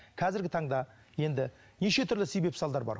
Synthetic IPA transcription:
kʲʰæzɪɾɡʲɪt̪ʰɑɴd̪ɑ | je̞nd̪ɪ | neʃe̞t̪ʰʏɾlɪsejbe̞psɑlˠd̪ɑɾbɑ̰ɾ

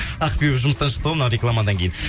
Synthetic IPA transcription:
ɑqpeʒʊməst̪ɑnʃə̥qt̪aənɑɾeklˠamad̪ɑŋkʲejɪn

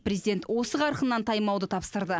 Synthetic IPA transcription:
prʲɾezid̪ʲe̞nt̪wo̞səqʰɑɾqənːɑnt̪ʰɑjmɑwd̪ət̪ʰɑpst̪əɾd̪ə

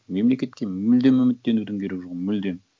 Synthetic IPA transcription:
me̞mle̞kʲe̞t̪kʲe̞mʏld̪e̞mːɪmɪt̪ːe̞nud̪ɪŋkʲʰe̞ɾekʒʊʁəmʏld̪e̞m

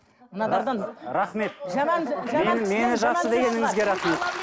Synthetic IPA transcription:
mənɑd̪ɑɾd̪ɑnɾaχme̞t̪̚ʒæmɑnʒmenme̞nɪʒɑsəd̪e̞ɡʲe̞nɪŋɪzɡʲe̞ɾɑχme̞t̪̚

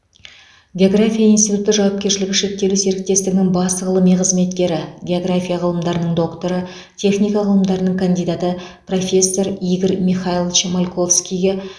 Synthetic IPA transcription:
ɡʲe̞o̞ɡrafʲijainst̪ijt̪ut̪ːəʒɑwɑp̚kʲeʃɪlɪɡʲɪʃe̞k̚t̪ːe̞luse̞ɾɪk̚t̪ːe̞st̪ɪɡʲɪnɪŋbɑsəʁəlˠəmijqʰəzme̞t̪kʲe̞ɾɪɡʲe̞oɡrafʲijaʁəlˠəmd̪ɑɾənəɴd̪o̞kt̪o̞ɾə | t̪ʲʰe̞χnʲijkɑʁəlˠəmd̪ɑɾənəɴkʰand̪ijd̪at̪ə | pro̞fʲe̞sːo̞ɾijɡʲəɾmʲiχailˠt͡ʃemalʲkʰo̞fskʲijɡʲe

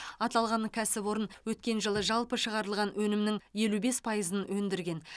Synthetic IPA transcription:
ɑt̪ɑlˠʁɑnkʲʰæsɪpwo̞ɾənwɵt̪kʲe̞nʒəlˠəʒɑlˠpəʃəʁɑɾəlˠʁɑnwɵnɪmnɪŋje̞lube̞spʰɑjəzənwɵnd̪ɪɾɡʲe̞n

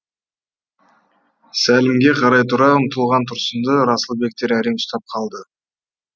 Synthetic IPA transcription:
sælɪmɡʲe̞qʰɑɾɑjt̪ʰʊɾɑəmt̪ʰəlˠʁɑnt̪ʰʊɾsənd̪əɾɑsəlˠbe̞k̚t̪e̞ɾæɾemʊst̪ɑp̚qʰɑlˠd̪ə

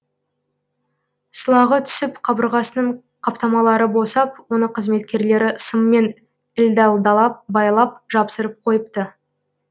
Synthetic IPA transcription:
səlˠɑʁət̪ʰʏ̥sɪpqʰɑbəɾʁɑsənəɴ | qʰɑpt̪ɑmɑlˠɑɾəbo̞sɑpwo̞nəqʰəzme̞t̪kʲe̞ɾle̞ɾɪsəmːe̞n | ɪld̪ɑlˠd̪ɑlˠɑp̚bɑjlˠɑp̚ʒɑpsəɾəp̚qʰo̞jəp̚t̪ə

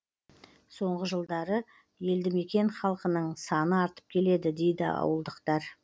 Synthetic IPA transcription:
so̞ɴʁəʒəlˠd̪ɑɾə | je̞ld̪ɪme̞kʲe̞nχɑlˠqənəɴsɑnəɑɾt̪ə̥p̚kʲʰe̞le̞d̪ɪd̪e̞jd̪ɪ̰ɑ̰wəlˠd̪əqt̪ɑɾ

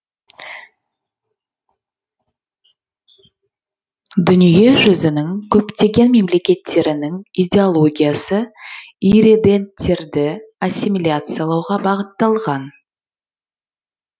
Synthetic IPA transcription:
d̪ʏnije̞ʒʏzɪnɪŋkʲʰɵpt̪e̞ɡʲe̞nme̞mle̞kʲe̞t̪ʰːe̞ɾɪnɪŋijdʲe̞olˠo̞ɡʲijasəiɾed̪e̞nt̪ːe̞ɾd̪ɪasʲːimilʲat̪sɨjalˠɑwʁɑbɑʁət̪ːɑlˠʁɑn

